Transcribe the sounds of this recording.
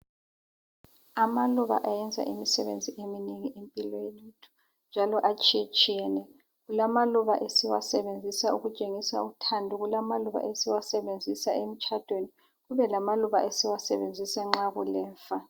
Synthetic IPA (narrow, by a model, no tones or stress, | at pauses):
amaluβa̰ʔajɛnd͡zʱa̰ʔimisɛβend͡zʱiʔemineŋiʔempʼilɔelutʰu̥ | nd͡ʒʱalɔʔat͡ʃʼt͡ʃʼiɛnɛ | ɣulamaluβa̰ʔesiwa̰sɛβend͡zʱisauɣut͡ʃʼeŋisa̰utʰandʱuɣulamaluβa̰ʔesiwasɛβend͡zʱisaem̩t͡ʃʰʼad̥ʱweni | ɣuβɛlamaluβaʔesiwasɛβend͡zʱisaŋ͡ǁaɣulɛːɱfa